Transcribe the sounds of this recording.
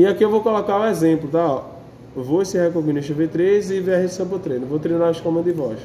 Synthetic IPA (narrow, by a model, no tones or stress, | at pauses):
ɪakiewvowkɔlɔkaɾũɛzẽplʊt̪aɔ | voesɪhɛkoɣĩnɪʃevet̪ɾezɪveaɦesɐ̃pʊt̪ɾẽj̃nũvot̪ɾẽj̃naɾɐʃkõmɐ̃d̪ɪvɔʃ